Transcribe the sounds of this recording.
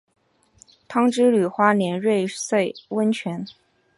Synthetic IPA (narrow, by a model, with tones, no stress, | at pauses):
t̪ʰɑ˥ŋʈ͡ʂɻ̩˥ly˨˩xwa˥njɛ˧˥nɻwe˥˧ɪswe˥˩ɪwə˥nt͡ɕʰɥɛ˧˥n